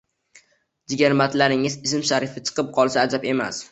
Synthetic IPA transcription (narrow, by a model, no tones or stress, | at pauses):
d͡ʒɪɡʲaɾmat̪laɾɪŋɪzɪsɪmʃaɾɪfɪt͡ʃʰɨ̥qʰɨp̚qʰɒlˠsaːd͡ʒape̞ma̰s